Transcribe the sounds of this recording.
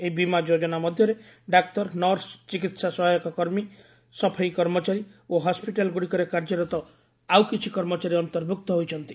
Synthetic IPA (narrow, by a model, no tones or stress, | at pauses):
eibimad͡ʒod͡ʒɔnamɔd̪ʱjɔɾeɖak̚t̪ɔɾnɔɾst͡ʃikit̪sasɔɦajɔkɔkɔɾmi | sɔpʰajkɔɾmɔt͡ʃaɾioɦɔspiʈalɡuɽikɔɾekaɾd͡ʒɔɾɔt̪ɔ | awkit͡ʃʰikɔɾmɔt͡ʃaɾiɔnut̪ɔɾbʱuk̚t̪ɔɦojt͡ʃʰɔnt̪i